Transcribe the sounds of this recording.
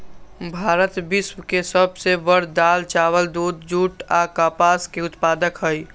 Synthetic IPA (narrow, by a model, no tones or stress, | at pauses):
bʱaːɾət̪bɪswkesəbseʋəɽd̪aːlt͡ʃaːwəld̪uːd̪d͡ʒuːʈaːkaːpaːskeʊt̪paːd̪əkɦəi